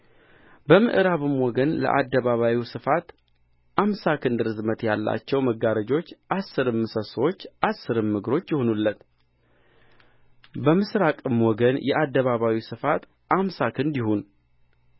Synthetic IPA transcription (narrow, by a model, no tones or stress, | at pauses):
bəmɨ̰ʔɨɾaβɨmwɔɡənlə̰ʔa̰d̪ːəβaβawisɨfat̪ | ʔamsakʰɨnd̪ɾɨzmət̪jalːa̰t͡ʃːɛwməɡaɾəd͡ʒo̞t͡ʃːʔasːɨɾɨmːɨsəsəwot͡ʃːʔasːɨɾɨmːɨɡɾo̞t͡ʃːjɪhonulːət̪ | bəmɨsɾakʼɨmwɔɡənjɛ̰ʔad̪ːəβaβawisɨfat̪ | ʔamsakʰɨnd̪ɪhun